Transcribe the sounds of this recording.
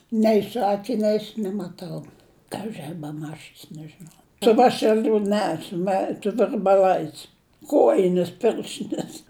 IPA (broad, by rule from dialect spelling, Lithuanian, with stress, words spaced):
nʲɛɪ sʊ ɐkʲɪˈnʲɛɪs nʲɛmɐˈtɐʊ kɐʒʲɪ ɐ bʲɛˈmɑːt͡ʃʲɪs nʲɛʒʲɪˈnɐʊ sʊ ˈʋɑːʃʲɛlʲʊ ˈnʲɛ sʊ ˈmʲɛ sʊ ʋʲɪrbɐˈlˠɐɪs ˈkoːjɪnʲɛs ˈpʲɪrʲʃʲtʲɪnʲɛs